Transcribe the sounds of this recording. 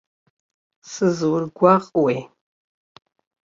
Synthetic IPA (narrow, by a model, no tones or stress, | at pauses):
sɨzɨwʊrɡʷaʁʼwej